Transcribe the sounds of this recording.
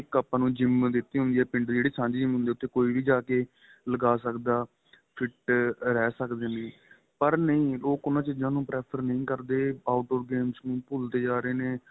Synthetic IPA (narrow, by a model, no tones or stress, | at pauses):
ɪkːəpːãːnũːd͡ʒɪmd̪ɪt̪ːiːɦʊ̃nd̪iːɛːpɪ̃ɳɖd͡ʒeːɽeːsãːd͡ʒiːd͡ʒɪmɦʊnd̪eːʊt̪ʰːeːkoːiːʋiːd͡ʒaːkeː | ləɡaːsəkd̪aː | pʰɪʈɾɛːsəkd̪eːnĩː | pəɾnəĩːloːkʊnãːt͡ʃid͡ʒãːnũːpɾɛːpʰəɾnəĩːkəɾd̪eːaːʊʈoːɾɡeːmsnũːpʊlt̪eːd͡ʒaːɾeːneː